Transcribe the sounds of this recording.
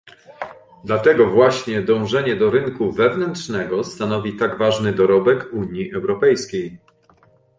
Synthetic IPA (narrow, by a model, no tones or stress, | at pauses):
d̪lat̪ɛɡɔvwaɕɲɛd̪ɔ̃w̃ʐɛɲɛd̪ɔɾɘnkuvɛvnɛntʂnɛɡɔst̪anɔvʲit̪aɡvaʐnɘd̪ɔɾɔbɛkuɲjiʔɛwɾɔpɛjskʲej